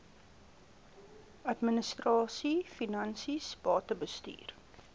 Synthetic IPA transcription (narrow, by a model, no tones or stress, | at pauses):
ɐtmənəstrɑːsifinɐnsisbɑːtəbəsty̰ːr